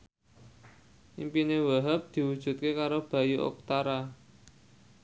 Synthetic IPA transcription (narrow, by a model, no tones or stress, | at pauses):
ʔimpinewaɦəp̚d̪̥i̤wud̥ʒ̥ṳt̪̚kekaɾob̥a̤juʔo̰k̚t̪aɾa